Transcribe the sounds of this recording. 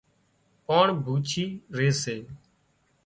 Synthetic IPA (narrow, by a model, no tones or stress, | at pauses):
poːɳbʱuːt͡ʃʰiːɾeːseː